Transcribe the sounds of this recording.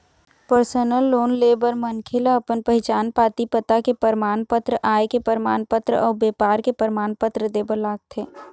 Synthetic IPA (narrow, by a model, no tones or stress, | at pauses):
pəɾsənəlːoːnleːbəɾmənkʰelaɐpənpɐɦɪt͡ʃaːnpaːt̪ipət̪akepəɾmaːnpət̪ɾəʔaːekepəɾmaːnpət̪ɾəɔːɾbeːpaːɾkepəɾmaːnpət̪ɾəd̪eːbəɾlaːɡ̚t̪ʰeː